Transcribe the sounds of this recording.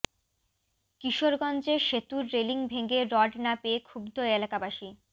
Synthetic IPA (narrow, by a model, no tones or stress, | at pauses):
kiʃoɾɡɔnd͡ʑeʃet̪uɾːeliŋbʱeɡeɾɔɖnapekʰubd̪ʱoelakabaʃi